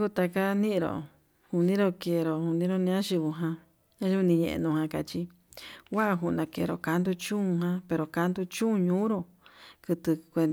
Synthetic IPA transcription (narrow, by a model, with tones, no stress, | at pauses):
ku˧t̪a˧ka˦nĩ˦ʔĩ˧ɾo̰˨ | hu˧nĩ˦ɾo˧ke˨˧ɾo˨hu˧nĩ˧˦ɾo˦nĩ˧ã˦ʃi˧βu˧ɦã˧ | ã˦u˦u˧nĩ˧ɲḛ̃˧ʔḛ̃˧nũ˧˨hã˧ka˧t͡ʃi˧ | wa˦ʔa˧ɦu˧˨˧nã˨˧kḛ˨ɾo̰˨ka˧nd̪u˧t͡ʃũː˦˧ɦã˧˦pe˧ɾo˨ka˧˦nd̪u˧t͡ʃũ˦˧ɲũː˦ɾo˧ | kɨ˧t̪ɨ˧kʷe˧n